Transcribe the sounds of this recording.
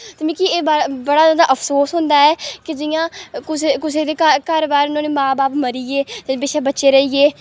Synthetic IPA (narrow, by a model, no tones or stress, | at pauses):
t̪emĩːkiːeːbabəɽaːzãːd̪aːʔəpʰsoːsɦʊ̃nd̪aːɛːkɪd͡ʒɪjãːkʊsekʊseːd̪eːkakəɾbaːɾʊnãːneːmãːbaːpməɾiːeːt̪ebeːʃaːbətːʃeːɾəiːeː